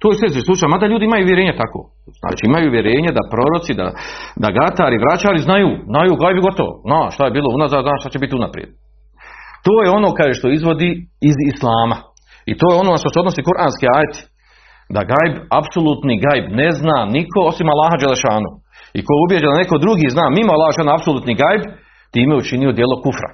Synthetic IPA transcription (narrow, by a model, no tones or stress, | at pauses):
t̪oːjesesislut͡ʃaːjmad̪aʎuːd̪iimajuːʋjeɾeːɲet̪ako̰ː | zna̰ːt͡ʃiimajuːʋje̞ɾe̞ːɲad̪apɾo̞ɾot̪sid̪a̰d̪aɡat̪aːɾiʋɾat͡ʃaːɾiznajuːznajuːɡajbiɡo̞t̪oʋo̰znaːʃt̪aje̞biːlˠound̪azaːznaːʃt̪at͡ɕebit̪iunapɾjḛd̪̥̚ | t̪oːjeo̞no̞ːkajeʃt̪o̞izʋo̞d̪iizislˠaːma | ḭt̪o̞ːjeo̞noʃt̪oseod̪nosiːkuɾʔaːnskeaːjet̪i̥ | d̪a̰ɡajbapso̞lˠut̪niɡajbne̞znaːnikʰo̞o̞simalːaːɦad͡ʒalːeʃaːnṵ | ḭkoubje̞d͡ʑed̪ane̞kod̪ɾuɡiːznaːmimalːˠaːhaʃaːnaapsoluːt̪niɡajb | t̪iːmejeut͡ʃinio̞d̪je̞ːlˠo̞kufɾa̰